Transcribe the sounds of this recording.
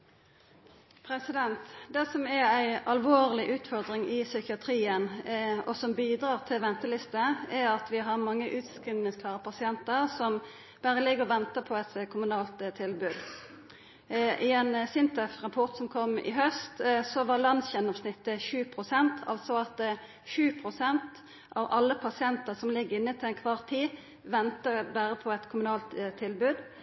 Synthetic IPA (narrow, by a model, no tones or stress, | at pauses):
pʰɾɛsɪd̪ɛnt̪d̪ɛsɔmɛæɪɑlʋoːʁlɪʔʉːt̪fɔʁd̪ʁɪŋʔɪsʏkɪɑt̪ʰɾiːənɔsɔmbiːd̪ɾɑːʁt̪ʰɪlʋɛnt̪əlɪst̪əɛɾɑt̪ʋɪɦɑʁmɑŋːəʔʉːt̪skʁiːnəskʰlɑːʁəpʰɑsɪɛnt̪əʁsɔm | b̥æːʁəlɪɡːəʁʋɛnt̪əpʰɔɛt̪kʰʊmʉnɑːlt̪t̪ʰːɪlbʉːd̪ | ʔɪɛnsɪnt̪ɛfʁɑpʰɔʁt̪sɔmkʰɔmːɪ̰ɦœst̪sɔʋɑlɑnsçɛnɑʋsnɪt̪ːəçʉːpʰʁʊsɛnt̪ʰɑ̰lsɔɑt̪̚d̪ɛ | çʉːpʰʁʊsɛnt̪ | ʔɑ̰ʋɑlːəpʰɑsɪɛnt̪əʁsɔmlɪɡəɪnːət̪ʰɪlɛnkʰʋɑʁt̪ʰiː | ʋɛnt̪əbæːʁəpʰɔɛt̪kʰʊmʉnɑːlt̪t̪ʰːɪlbʉːd̪